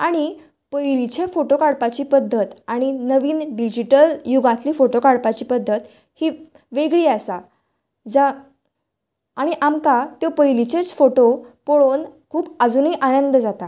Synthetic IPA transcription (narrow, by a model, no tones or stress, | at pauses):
aɽ̃i | pəjlit͡ɕefoʈokaɽpat͡ɕiːpəd̪ʱːət̪aɽ̃inəʋiːnɖid͡ʑiʈəljuɡãt̪liːfoʈokaɽpat͡ɕiːpəd̪ʱːət̪ | hiː | ʋeɡɭiːasa | d͡za | aɽ̃iʔamkat̪jopəjlit͡ɕet͡sfoʈopoɭonkʰuːbəd͡zuniːʔanənd̪d͡zat̪a